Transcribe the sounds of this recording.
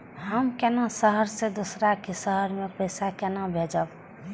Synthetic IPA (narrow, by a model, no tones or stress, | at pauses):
ɦəmkɛːnasəɦəɾsed̪osɾakesəɦəɾmẽpəɪsakɛnabʱed͡ʒəb